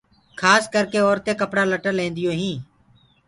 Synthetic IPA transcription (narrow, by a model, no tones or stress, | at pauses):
kʰaːskəɾkeːɔːɾt̪eːkəpɽaːləʈəlẽːnd̪ɪjõːɦĩː